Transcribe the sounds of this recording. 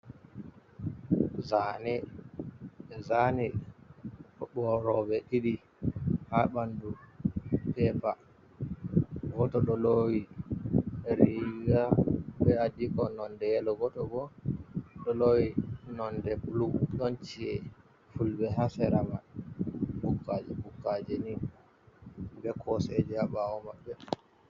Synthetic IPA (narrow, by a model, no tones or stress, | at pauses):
zani | ɛzani | kɔɓɔɾɔbɛɗiɗi | haɓandu | pɛpa | ɡɔtɔɗɔlowi | ɾiɡabɛadikɔnɔndɛjɛlɔɡɔtɔɡɔ | ɗɔlowinɔndɛpluɗɔnt͡ʃiɛ | fulbɛɦasɛɾama | bukːad͡ʒɛbukːad͡ʒɛni | bɛkʰɔsɛd͡ʒɛabawɔmaɓːɛ